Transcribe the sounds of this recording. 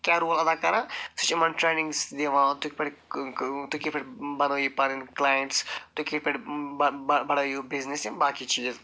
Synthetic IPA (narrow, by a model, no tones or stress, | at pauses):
kʲjaːɾuːlɐd̪akɐɾãːsut͡ʃimɐnʈɾeːnɪ̃ŋɡsd̪eʋãːt̪ukpeɽ | t̪ukipʰɪɽbɐnoːipɐɾĩnklaːjẽɳʈst̪ukipeɽ | bɐɽajubiznesẽbaːkit͡ʃiːz